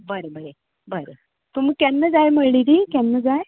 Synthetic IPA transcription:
bəɾəbəɾe | bəɾə | t̪um̤iːkɛnːəd͡zajməɭid̪ikɛnːəd͡zaj

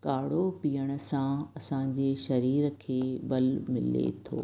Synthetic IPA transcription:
kaːɽopijəɽ̃ə̆sãɐsãːd͡ʑeːʃɐɾiːɾkʰeːbɐlmɪ̰lḛt̪ʰo̰ː

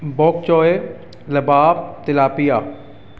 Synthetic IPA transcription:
bɔːk̚t͡ʃɔːe | lɐbaːb̚t̪ɪlaːpijaː

